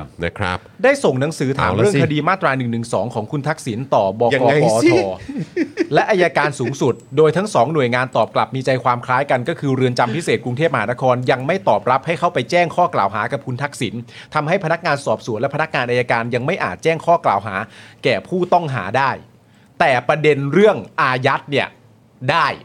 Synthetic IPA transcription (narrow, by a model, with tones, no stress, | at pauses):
na˦kʰɾa̰˦˥pdaː˥˩jso˨˩ŋna˩˦ŋsɯː˩˦t̪ʰaaː˨˦˨ɾəŋkʰa˧diː˧maː˥˩t̪ːɾaː˧nɯ˨˩ŋnɯ˨˩ŋsɔː˩˦ŋkʰɔː˩˦ŋkʰu˧nt̪ʰa˦˥k̚si˩˦nt̪ɔː˨˩bɔː˧kɔ˦˧ɔː˧t̪ʰɔː˧ | lɛ˦˥ʔa˧jaː˧kaː˧nsuː˩˦ŋsu˨˩t̪̚doː˧jt̪ʰa˦˥ŋsɔː˩˦ŋnu˨˩əjŋaː˧nt̪ɔː˨˩p̚kla˨˩p̚miː˧t͡ɕa˧jkʰwaː˧mkʰlaː˦˥jka˧nkɔː˥˩kʰɯː˧ɾɯ˧ənt͡ɕa˧mpʰi˦˥seː˨˩t̪̚kɾu˧ŋt̪ʰeː˥˩p̚ma˧ɦaː˩˦na˦˥kʰɔː˧nja˧ŋma˥˩jt̪ɔː˨˩p̚ɾa˦˥p̚ha˥˩jkʰa˥˩wpa˧jt͡ɕɛː˥˩ŋkʰɔː˥˩kla̰ː˨˩wɦaː˩˦ka˨˩p̚kʰu˧nt̪ʰa˦˥k̚si˩˦n | t̪ʰa˧mha˥˩jpʰa˧na˦˥k̚ŋaː˧nsɔː˨˩p̚su˨˩˦nlpʰa˧na˦˥k̚ŋaː˧nʔaː˧ja˧kaː˧nja˧ŋma˥˩jʔa̰ː˨˩t̪̚t͡ɕɛː˥˩ŋkʰɔː˥˩kla̰ː˨˩wɦa̰ː˩˦kɛː˨˩pʰuː˥˩t̪ɔ˥˩ŋɦa̰ː˩˦daː˥˩j | t̪ɛː˨˩pɾa˧de˧nɾɯ˥˩əŋʔaː˧ja˦˥t̪̚ni˥˩ə | daː˥˩j